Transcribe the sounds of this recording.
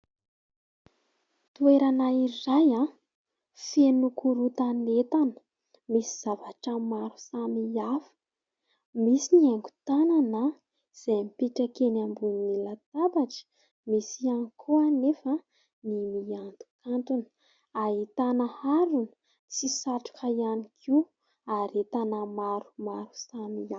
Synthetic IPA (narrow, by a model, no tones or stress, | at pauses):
t̪ueɾanairaja | fenukuɾut̪anet̪anə̥ | misiz̥avaʈ͡ʂəmaɾu̥samiafə̥ | misiniaŋɡu̥t̪anana | z̥ejmipiʈ͡ʂakenambunilat̪abaʈ͡ʂə̥ | misianikʰuanefə | nimiant̪u̥kant̪un̥ | aɦit̪anəhaɾunə̥ | t͡sisaʈ͡ʂu̥kʰəjanikʰi | aɾet̪anəmaɾu̥maɾu̥samia